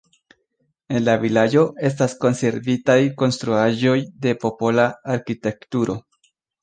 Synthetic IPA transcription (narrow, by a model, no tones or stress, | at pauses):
e̞nlavilad͡ʒo̞e̞s̬tasko̞nse̞ɾvitajko̞nstɾuaʒo̞jde̞po̞po̞laːɾkite̞ktuɾo̞